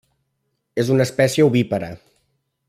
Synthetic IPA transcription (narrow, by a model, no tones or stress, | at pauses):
ezunəspɛsiəuβipəɾə